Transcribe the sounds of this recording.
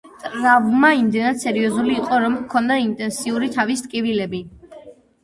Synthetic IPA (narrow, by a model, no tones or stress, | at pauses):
t̪ʼɾavmaimd̪ɛnad̪̥sɛɾiɔzuliːqʼɔɾɔmkʰɔnd̪aint̪ʼɛnsiuɾit̪ʰavist̪ʼkʼivilɛbi